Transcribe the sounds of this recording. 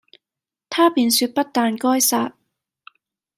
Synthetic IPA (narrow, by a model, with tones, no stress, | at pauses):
t̪ʰaː˥piː˨nsyː˧t̚pɐ˥t̚t̪aː˨nkɔː˥jsaː˧t̚